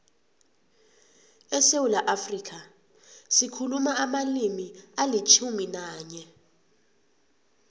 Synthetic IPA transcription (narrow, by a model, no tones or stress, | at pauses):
ɛsewulaʔafrikʰa | sikʰulumaamalimialit͡ʃʰuminaːɲɛ